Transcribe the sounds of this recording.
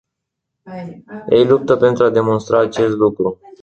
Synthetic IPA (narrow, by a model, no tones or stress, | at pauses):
jḛjlup̚t̪əpe̞nt̪ɾuad̪e̞mo̞nst̪ɾaːt͡ʃe̞st̪lukɾu